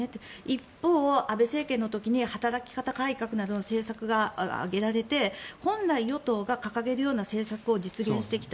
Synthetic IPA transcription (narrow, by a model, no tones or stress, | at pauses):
t̪eippːo̞ːʔabe̞se̞ːkẽ̞nːo̞t̪o̞kʲiɲ̟ihat̪aɾakʲi̥kat̪akaikakɯ̟naɾɯnose̞ːsakɯ̟ɡaa̰ɡe̞ɾaɾe̞t̪e̞hõ̞nɾaijo̞t̪o̞ːɡakakaɡe̞ɾɯ̟jo̞ːnase̞ːsakɯ̟o̞d͡ʑit͡sɨɡẽ̞ɰ̃ɕi̥t̪e̞kʲi̥t̪a